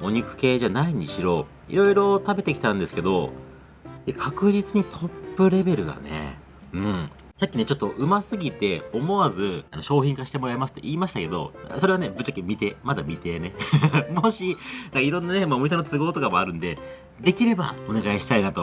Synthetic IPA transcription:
oɲ̟ikɯ̟̥ke̞ːʑanaiɲ̟iɕiɾo̞ː | ḭɾo̞iɾo̞t̪abe̞t̪e̞ki̥t̪ãnd̪e̞sɨ̥ke̞d̪o̞ | ekʰakɯ̟ʑit͡sɨɲ̟it̪ʰo̞pːɯ̟ɾe̞be̞ɾɯ̟d̪a̰nḛ | ɯ̟̃ɴ | sakʲːine̞t͡ɕo̞t̪ːoʔɯ̟masɨɡʲit̪e̞o̞mo̞βazɨano̞ɕo̞ːçʲĩŋkaɕi̥t̪e̞mo̞ɾaemasɨ̥t̪ːe̞ʔiːmaɕi̥t̪ake̞d̪o̞̰so̞ɾe̞ane̞bɯ̟t͡ɕːakːemʲit̪e̞mad̪amʲit̪e̞ne̞moɕinãkaiɾõ̞nːane̞maoɲis̬anot͡sɨɡo̞ːt̪o̞kamo̞aɾɯ̟̃nd̪e̞ | d̪e̞kʲiɾe̞ba̰one̞ɡaiɕi̥t̪ainat̪o̞

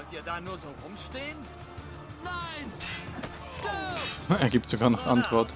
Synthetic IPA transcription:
ɔltiːɐdaːnuːɐzoːʁʊmʃteːən | naɪn | ɛːɐɡiːp̚tz̥oɡaːɐnɔχʔantv̥ɔɐt

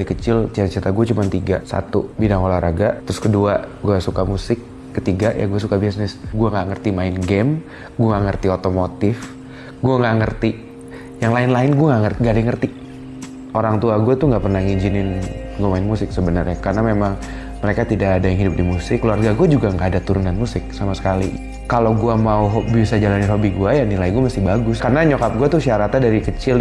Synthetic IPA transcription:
ikət͡ʃɪlt͡ʃat̪at͡ʃit̪aɡuat͡ʃumant̪iɡasa̰t̪ubidaŋolahɾaɡat̪ɾʊskəduaɡuasukamusɪkː | ət̪iɡaʔjʔa̰ɡuasukabisnɪsɡuaŋaʔŋərt̪imaɪnɡɛm | ɡuaŋaŋərt̪iot̪omot̪ɪf | ɡuaŋaʔŋərt̪i | jaŋlaɪnlaɪnɡuaŋaŋəŋɡadaŋərt̪i | ʔoɾaŋt̪uaɡuat̪uŋɡaʔpərnaŋiɲd͡ʒinɪnɡuamaɪnmusɪksəbənərɲakarənamemaŋ | məɾekat̪idaːdajaŋɦidʊp̚dimusɪkluarɡaɡuad͡ʒuɡaŋɡaːdat̪uɾunɡanmusɪk̚samasə̥kalḭ | kalawɡuamauɦobisad͡ʒalanɪnɦobiɡuajaŋnilajɡuamast̪ihbaɡʊskarnaɲokap̚ɡuat̪uʃiaɾat̪adaɾikət͡ʃɪl

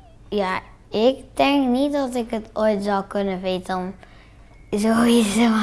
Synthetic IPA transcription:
ja | ɪktɛŋknitdɔsɪkətoːjtzɔlˠkɵnəʋeːtəɔm | zoiso

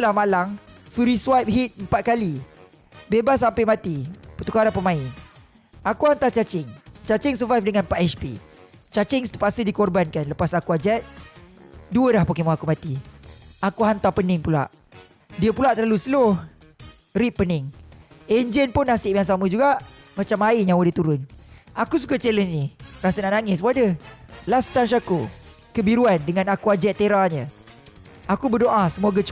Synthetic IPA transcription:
lahmalaŋfuɾiswajp̚ɦit̪̚əmpat̪̚kali | bebas̬ampəmat̪ipət̪ukaɾapəmãɪn | akuhant̪at͡ʃat͡ʃɪŋt͡ʃat͡ʃɪŋsəvajfdəŋanpaʔɛspḭ | t͡ʃat͡ʃɪŋst̪u̥paʔsədikɔrbankanləpasakuad͡ʒɛt̪̚ | duəlahpəkemuakumat̪iakuhant̪apənɪŋpula̰ʔ | diəpulaʔt̪ərlalusəlʊh | ɾiʔ̚pːənɪŋɛɲd͡ʒənpʊnːasɪʔmiaŋs̬aməd͡ʒuɡaʔmat͡ʃamaiɲawədit̪uɾʊnakus̬ukat͡ʃɛlənsnirasanaʔnaŋɪsmuadəlast̪anʃaku | kəbiɾuandəŋãnakuad͡ʒɛt̪ːeɾaɲə | akubərdoʔasəmoɡat͡ʃ

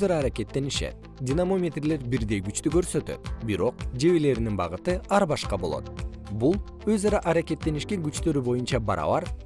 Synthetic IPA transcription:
zɑɾɑːɾakʲe̞t̪ːe̞niʃe̞̰t̪̚ | d̪ʲinamo̞mʲet̪rle̞ɾbiɾd̪e̞jɡyt͡ʃt̪yɡø̞ɾsø̞t̪ø̞̰t̪biɾo̞q̚d͡ʒe̞βele̞ɾininbɑʁɯt̪ɯɑɾbɑʃqɑbo̞lˠo̞̰t̪̚bulˠ | øzɑɾɑʔɑɾakʲe̞t̪ːe̞niʃkeŋɡyt͡ʃt̪ø̞ɾybo̞junt͡ʃɑbɑ̰ɾɑ̰βɑɾ

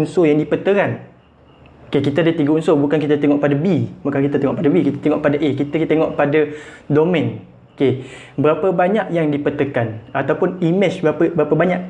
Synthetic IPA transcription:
nsojaŋdipət̪əɾan | okekit̪aadət̪iɡaunsobukankit̪at̪eŋɔʔpadabibukankit̪at̪eŋɔʔpadabikit̪ḁt̪eŋɔʔpadaʔekit̪akt̪eŋɔʔpadadomɛ̃n | oke | bəɾapabaɲaʔjaŋdipət̪əkanat̪awpʊnimɛt͡ʃbəbəɾapabaɲaʔ̚

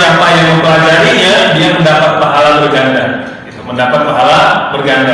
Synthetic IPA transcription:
apajaŋməmpəlad͡ʒaɾiɲadiaməndapat̪̚paɦalabərɡaŋɡar | ɡit̪uməndapat̪̚paɦalabərɡaŋɡa

